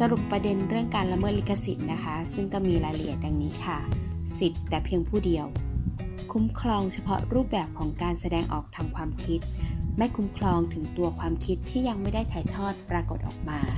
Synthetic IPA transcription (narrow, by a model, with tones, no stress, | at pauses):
sa˧ɾu˨˩pːɾa˧de˧nɾɯ˥˩əŋkaː˧nla˧mɤː˥˩t̪̚i˦˥kʰːa˧si˨˩t̪̚na˦˥kʰa˦˥sɯ˥˩ŋkɔː˥˩miː˧ɾaː˧jlʔḭ˨˩t̪̚ːa˧ŋniː˦˥kʰa˥˩si˨˩t̪ːɛː˨˩pʰi˧əŋpʰuː˥˩di˧əw | kʰu˦˥mkʰlɔː˧ŋt͡ɕʰa˧pʰɔ˦˥ɾuː˥˩p̚bɛː˨˩p̚kʰɔː˩˦ŋkaː˧nsa˧dɛː˧ŋʔɔ̰ː˨˩k̚t̪ʰa˧mkʰwaː˧mkʰi˦˥t̪̚ma˥˩jkʰu˦˥mkʰlɔː˧ŋt̪ʰɯ˩˦ŋt̪u˧ɐkʰwaː˧mkʰi˦˥t̪ʰːiː˥˩ja˧ŋma˥˩jda˥˩jt̪ʰaː˨˩˦jt̪ʰɔː˥˩t̪̚pɾaː˧ko˨˩t̪̚ʔɔ̰ː˨˩k̚maː˧